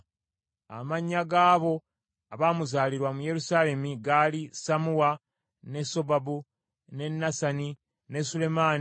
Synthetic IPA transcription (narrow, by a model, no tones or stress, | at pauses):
a̰maɲːaɡaːβo̞ | aβaːmuzaːliɾwamuje̞ɾusaːle̞miɡalisamuwa | ne̞so̞babu | ne̞nːasani | ne̞sule̞maːni